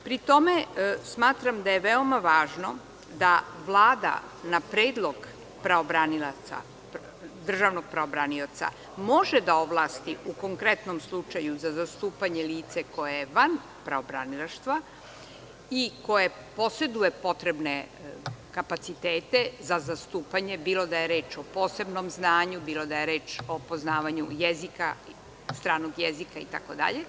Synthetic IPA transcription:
pɾit̪o̞mesmaːt̪ɾamd̪ajeʋeomaʋaːʒno̞ | d̪aʋlˠaːd̪a̰ | napɾeːd̪lˠo̞ɡ | pɾaobɾanilat̪sa̰ | d̪r̩ʒaʋnoɡ̚pɾaobɾaniot̪sa̰ | mo̞ʒed̪aoʋlˠaːst̪iuko̞ŋkɾet̪no̞mslˠut͡ʃajuzazast̪uːpaɲeliːt̪seko̞jajeʋan | pɾaobɾanilaʃt̪ʋa | iko̞je | po̞se̞d̪uje̞po̞t̪ɾe̞bne | kapat̪sit̪eːt̪e̞zazast̪uːpaɲe̞biːlo̞d̪ajeɾe̞ːt͡ʃo̞po̞ːse̞bno̞mznaːɲubiːlo̞d̪aje̞ɾeːt͡ʃo̞po̞znaːʋaɲujezika̰ | st̪ɾaːnoɡjezikaḭt̪a̰ko̞d̪a̰ʎe

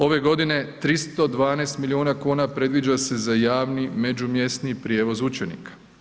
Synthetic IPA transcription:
o̞ʋe̞ɡo̞d̪ine̞t̪ɾist̪o̞d̪ʋaːneːst̪milionakuːnapɾe̞d̪ʋid͡ʒase̞zajaːʋnime̞d͡ʒumje̞st̪nipɾjeːʋo̞zut͡ʃenḭkḁ

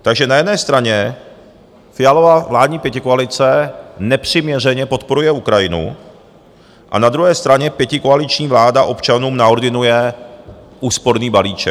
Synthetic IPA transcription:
t̪aɡʒɛnajɛdnɛːst̪ɾaɲɛ | fɪjalo̞vavlaːdɲiːpjɛcɪkoalɪt͡sɛnɛpr̝̥ɪmɲɛr̝ɛɲɛpo̞t̪po̞ɾujɛukɾajɪnṵ | ʔa̰nad̪ɾuɦɛːst̪ɾaɲɛpjɛcɪkoalɪt͡ʃɲiːvlaːdaʔo̞pt͡ʃanuːmnao̞ɾd̪ɪnujɛ | ʔuːspo̞ɾniːbaliːt͡ʃɛk

